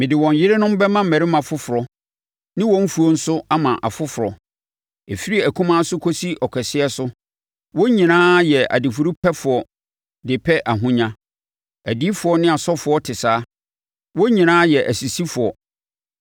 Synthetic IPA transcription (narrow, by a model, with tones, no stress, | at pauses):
mɪ̃˨dɪ˨wɔ̃˨ɲ˨jɪ˦ɾɪ˦nʊ̃˦m̩˦bɛ˦mã˦m̩˨mæ˨ɾɪ˦mã˨fʊ˦fʊ˨ɾɔ˨ | nɪ̃˦wɔ̃˦m̩˦fu˨ɔ˦n̩˦sʊ˦a˦mã˨ʔa̰˨fʊ˦fʊ˨ɾɔ˨ | e˨fi˦ɾi˦æ˨kʰũ˦mã˦sʊ˦kʰo˦si˦ʔɔ˨kʰɛ˨sɪ˦ɛ˦sʊ˦ | wɔ˦ɲĩ˨nãː˦jɛ˨a̰˨di˨fʊ˨ɾu˦pʰɛ˦fʊ˨ɔ˨ | dɪ˨pʰɛ˦ʔa˨ɦʊ̃˦ɲã˦ | æ˨di˦fʊ˨ɔ˦nɪ̃˦a˨sɔ˦fʊ˨ɔ˦tʰɪ˨saː˦ | wɔ˦ɲĩ˨nãː˦jɛ˨ʔæ˨si˨si˦fʊ˨ɔ˨